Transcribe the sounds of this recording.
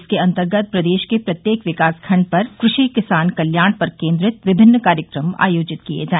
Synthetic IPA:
skeɐ̃nt̪əɾɡət̪̚pɾɐd̪eːʃkepɾɐt̪jeːkʋɪkaːskʰɐ̃ɳɖ̚pɐɾkɾʊʃikɪsaːnkɐljaːɳ̃pɐɾkẽːnd̪ɾɪt̪ʋɪbʱɪnːəkaːɾjəkɾəma̰ːjoːd͡ʒɪt̪kijḛd͡ʒaːe

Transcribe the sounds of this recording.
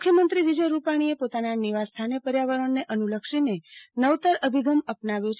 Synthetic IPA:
mukʰjəmənt̪ɾiʋid͡ʒəjɾupaɽ̃iepot̪ananiʋast̪ʰanepəɾjaʋəɾəɳneʔənuləkʃinenəʋt̪əɾəbʱiɡəməpnaʋjõt͡ʃʰ

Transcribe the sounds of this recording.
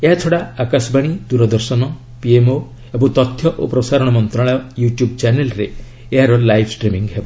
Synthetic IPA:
eɦat͡ʃʰɔɽaakasɔbaɽ̃id̪uɾɔd̪ɔɾsɔnɔ | piemo | ebɔŋt̪ɔt̪ʰjɔʔopɾɔsaɾɔɽɔmɔnt̪ɾaɭɔjuʈjubt͡ʃanelɾe | eɦaɾɔlajbsʈɾimiŋɡɦebɔ

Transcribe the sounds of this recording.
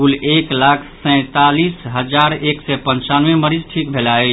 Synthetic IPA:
uleklakʰsɛ̃ɪ̃t̪alisɦəd͡ʒaɾeksɛpə̃nt͡ʃanʋeməɾid͡ʒʈʰik̚bʱelae

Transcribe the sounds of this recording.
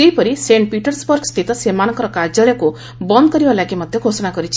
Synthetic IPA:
t̪eɦjpɔɾiseɳʈ̚piʈɔɾsbɔɾɡst̪ʰit̪ɔsemanɔŋkɔɾɔkaɾd͡ʒaɭjɔku | bɔnd̪ɔkɔɾibalaɡimɔd̪ʱjɔɡʱosɔnakɔɾit͡ʃʰi̥

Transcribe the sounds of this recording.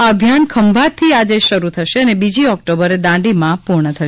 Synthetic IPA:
aəbʱjankʰəmbʱat̪ʰːiad͡ʒeʃəɾut̪ʰəʃeənebid͡ʒiɔk̚ʈobəɾed̪ãɖimãpuɾɳət̪ʰəʃ

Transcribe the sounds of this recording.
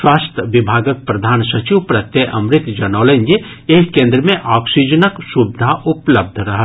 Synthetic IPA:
ʃwaːst̪ʰəʋɪbʱaːɡək̚pɾɐd̪ʱaːnsɐt͡ʃiʋpɾɐt̪jeʔɐmɾɪt̪d͡ʒɐnɔːlend͡ʒe | eːɦkẽːnd̪ɾəmẽʔaːksid͡ʒənəksubɪd̪ʱaʔʊpləb̚d̪ʱɾɐɦə

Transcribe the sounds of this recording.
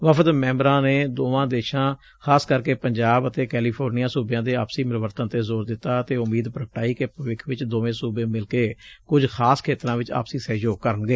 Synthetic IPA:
ʋəpʰət̪mɛ̃ːmbəɾãːneːd̪oːʋãːd̪eːʃãː | kʰaːskəɾkeːpəɲd͡ʒaːbət̪eːkɛːliːpʰoːɾnijaːsubjãːd̪eːaːpsiːmɾəʋəɾt̪ənt̪eːzoːɾd̪ɪt̪ːaːət̪eːʊmiːd̪pɾəkəʈaːiːkepʋɪkʰʋɪt͡ʃd̪oːʋẽːsuːbẽːmɪlkeːkʊd͡ʒxʰaːskʰeːt̪ɾãːʋɪt͡ʃa̰ːpsiːsɛːd͡ʒoːɡ̚kəɾənɡeː

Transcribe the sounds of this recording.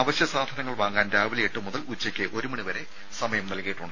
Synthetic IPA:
aʋɐɕjɐsaːd̪ʱɐnɐŋːɐɭʋaːŋɡaːndaːʋilɐjeʈːɨmuðɐlut͡ɕːɐkʲːɨʔo̞ɾumɐɳiʋɐɾe̞ | sɐmɐjɐmnɐlkɐjiʈːuɳɖɨ

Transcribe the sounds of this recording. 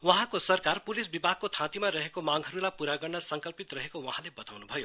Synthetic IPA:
wʌɦãkosʌrkarpulisbibʱaɡ̚kot̪ʰãt̪imaɾʌɦekomaŋɦʌɾulajpuɾaɡʌrnʌsʌŋkʌlpit̪rʌɦekowʌɦãlebʌt̪awnubʱʌjo

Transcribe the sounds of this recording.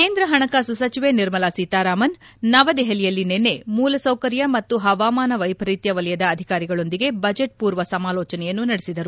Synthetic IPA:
ke̞ːnd̪ɾɐɦɐɳɐkasusɐt͡ʃiʋeniɾmɐlaːsiːt̪aːɾaːmɐnːɐʋɐd̪ɛɦɐlijɐlːinenːemuːlɐsɐwkɐɾjɐmɐt̪ːuɦɐʋaːmaːnɐʋɐjpɐɾiːt̪jɐʋɐlɛjɐd̪ɐːd̪ʱikaːɾiɡɐɭo̞nd̪iɡe̞bɐd͡ʒeʈ̚puːɾʋɐsɐmaːlɔːt͡ʃɐnɛjɐnːunɐɽesid̪ɐɾu

